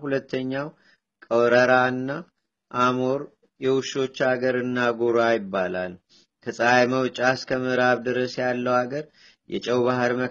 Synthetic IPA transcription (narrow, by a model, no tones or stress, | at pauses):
hulət̪ːəɲːaw | kʼəwɾəɾaɨnːa | ʔamoɾ | jɛwuʃo̞t͡ʃːaɡəɾɨnːaɡoɾajɪbːala̰l | kʰəsʼajməwt͡ʃʼaskʰəmɨɾaβd̪ɨɾəsjalːəwaɡəɾ | jʔɛ̰t͡ʃʼɛwβaɦəɾmə